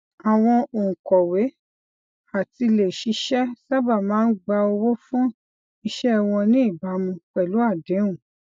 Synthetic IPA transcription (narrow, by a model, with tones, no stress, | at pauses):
a˨w̃ɔ̃˧õ˨kɔ˨we˨˦ | a˦˨ti˧le˨ʃi˧˦ʃɛ˦sa˦ba˦˨mãː˦n̩˦ɡ͡ba˧o˧wo˦fũ˦ | i˧ʃɛ˦˧w̃ɔ̃˧nĩ˦i˦˨ba˨˦mũ˧k͡pɛ˨lu˨˦a˦˨dẽ˨˦ũ˦˨